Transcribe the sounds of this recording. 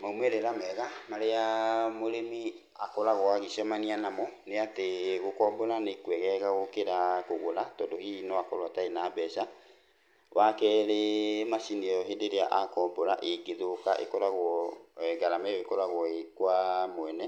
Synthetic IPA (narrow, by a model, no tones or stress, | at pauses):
maumɛɾeɾamɛɣamaɾeamoɾemi | akɔɾaɣwaɣisɔmanianamɔneateɣokɔːmbɔɾanekwɛɣɛɣaɣokeɾakoɣoɾatɔːdohinɔakɔɾwataenaːbɛʃa | wakɛɾemaʃineɔɦedeɾeaʔakɔːmbɔɾaʔeɡeðokaʔḛkɔɾaɣwɔɡaɾamɛwekɔɾaɣwɔekwamwɛnɛ